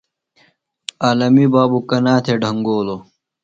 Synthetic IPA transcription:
aːlɐmibaːbukɐnaːt̪ʰeɖʱɐŋɡoːlo

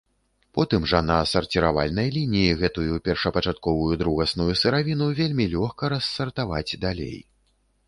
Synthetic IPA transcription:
pɔt̪ɨmʐɐnɐsɐrt͡sʲiɾava̰lʲnɐjlʲinʲijiɣɛt̪ujupʲɛrʂɐpɐt͡ʂat̪̚kɔvujud̪ɾuɣɐsnujusɨɾavʲinuvʲelʲmʲilʲɔxkɐɾɐsːɐrt̪avad͡zʲd̪alʲḛj

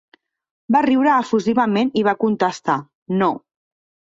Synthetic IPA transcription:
bariwɾəːfuziβəmeniβakunt̪əst̪a | no

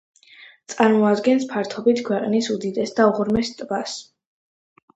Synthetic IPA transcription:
t̪sʼaɾmɔad̪ɡɛnspʰaɾt̪ʰɔbit̪ʰkʰwɛqʼnisud̪id̪ɛsd̪auʁuɾmɛst̪ʼbas

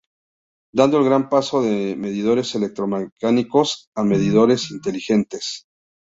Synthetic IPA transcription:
d̪and̪oelɣɾampaso̞ðe̞me̞ðiðo̞ɾe̞se̞lek̚t̪ɾo̞mekaniko̞same̞ðiðo̞ɾe̞sint̪e̞lixe̞nt̪e̞s

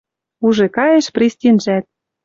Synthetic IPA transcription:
uʒĕkɑjĕʃprisʲtʲinʒæt̪̚

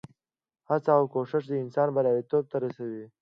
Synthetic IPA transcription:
hat͡sawkoʂɪʂ̬d̪əɪnsɑːnbalaːdit̪oːb̚t̪aɾasawi

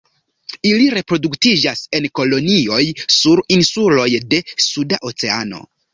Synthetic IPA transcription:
iliɾe̞pɾo̞duktid͡ʒase̞nko̞lo̞nio̞jsuɾinsulo̞jde̞sudaʔo̞t͡se̞a̰no̞̰

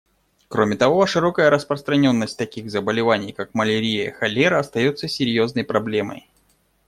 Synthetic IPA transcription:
kɾo̞mʲɪt̪ɐvoʂɨɾo̞kəjəɾəspɾəst̪ɾɐnʲo̞nːəsʲt̚ʲt̪ɐkʲiɣzəbəlʲɪvanʲɪjkakməlʲɪɾʲijə̰xɐlʲeɾəɐst̪ɐjot̪səsʲɪɾʲjo̞znəjpɾɐblʲe̞mə̰j

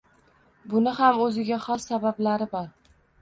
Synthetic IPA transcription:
bʊnɪhamɵzɪɡʲaχɒsːabablaɾɪbɒɾ

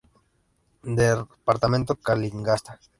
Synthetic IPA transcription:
d̪epaɾt̪amẽnt̪okaliŋɡast̪a

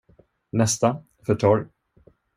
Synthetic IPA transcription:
nɛst̪a | fœʈʰɔɾ

